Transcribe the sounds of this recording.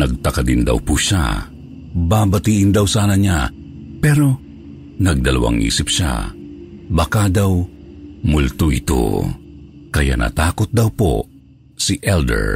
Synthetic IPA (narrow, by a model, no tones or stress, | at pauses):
nɐɡ̚t̪ɐkad̪ɪnd̪a̰wpuʃa̰ | baːbat̪iʔɪnd̪awsaːnaɲa̰ | pɛɾo | nɐɡ̚d̪ɐlawa̰ŋʔḭːsɪp̚ʃa̰ | bakad̪awmʊlt̪uɪt̪o̰ | kɐja̰nʔa̰t̪aːkot̪̚d̪awpo̰ | siʔɛld̪ɛ̰ɹ